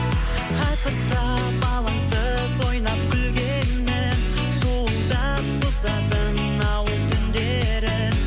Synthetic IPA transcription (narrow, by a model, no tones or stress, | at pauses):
qʰɑjq̪əst̪ɑ | bɑlˠɑsə | so̞jnɑp̚kʲʰʏlɡʲennːɪn | sowəɴd̪ɑ | qʰʊzɑd̪əɴ | ɑwəlˠt̪ʰʏnd̪e | ɾɪ